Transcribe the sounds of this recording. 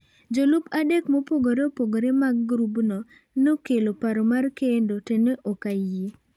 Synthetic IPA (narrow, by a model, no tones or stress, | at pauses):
d͡ʒolupadekmopoɡoɾeopoɡoɾemaɡːɾubnɔ | nokelopaɾomarkendoteneʔɔkaje